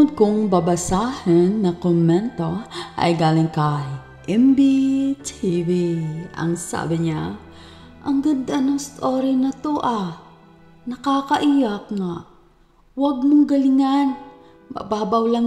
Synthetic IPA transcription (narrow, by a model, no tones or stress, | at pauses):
d̪̚kʊŋbɐbɐsaːhɐnːɐkomɛnt̪o̞ʔɐ̰jɡaːlɪŋkɐj | ʔɛmbit̪ʰiviʔɐ̰ŋsa̰ːbɪɲa | ʔɐŋɡɐd̪ʔɐnost̪oːɾinɐt̪oʔa | nɐkaːkɐʔijɐkŋaʔ | wɐɡ̚moŋɡɐlɪŋan | mɐ̰baːbɐwlaŋ